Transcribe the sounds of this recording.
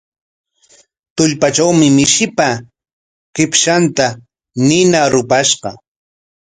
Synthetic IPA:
t̪ʊʎpat͡ʃawmɪmɪʃɪpa | kɪpʃant̪a | nɪnaɾʊpaʃɢɑ

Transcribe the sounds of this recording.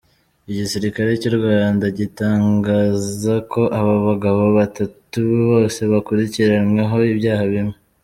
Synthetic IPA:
iɟisiɾikaɾe̞coɾɡwaːndaɟitaːŋɡaːzakʰo̞ʔaβaβaɡaβo̞βatatuββo̞ːse̞βakuɾiciɾamŋaɦo̞ibjaːhaβimŋe

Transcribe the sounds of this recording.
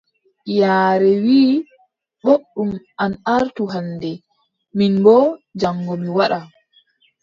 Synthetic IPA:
jaːɾɛwiː | ɓoɗːumʔanaɾtuɦandɛ | minbɔd͡ʒaŋːɡomiwaɗa

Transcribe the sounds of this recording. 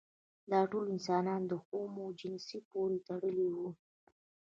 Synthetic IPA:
d̪ɑʈolɪnsɑnɑnd̪əxomod͡ʒɪnsipoɾet̪aɽəliwu

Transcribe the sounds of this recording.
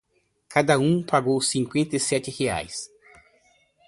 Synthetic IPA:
kʰad̪ɐũpaɡowsĩŋkwẽnt̪ɐisɛt͡ʃ̪ɪhea̰js

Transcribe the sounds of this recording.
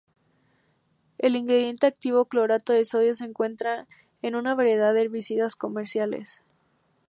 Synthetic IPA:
e̞liŋɡɾeðje̞nt̪eak̚t̪iβ̞o̞klo̞ɾat̪oðesoðjoseːŋkwe̞nt̪ɾa | enũnaβaɾje̞ð̞aðeβisit̪asko̞me̞ɾsjalḛs

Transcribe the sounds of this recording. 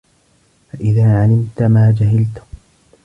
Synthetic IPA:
faʔɪðaːʕalɪmt̪maːd͡ʒaɦɪlt̪ʊ̥

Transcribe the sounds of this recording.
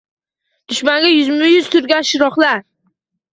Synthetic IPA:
d̪̥ʊʃmaŋɡʲajʊzmɪjʊzt̪ʰʊɾɡʲanʃɪɾɒχlaɾ

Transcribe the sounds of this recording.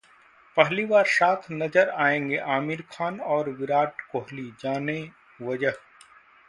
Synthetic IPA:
pɛɦliʋaːɾsaːk̪ʰnɐd͡ʒəɾaːẽːŋɡeʔaːmiɾkʰaːnɔːɾʋɪɾaːʈkoːɦlid͡ʒaːne | ʋɐd͡ʒəɦ

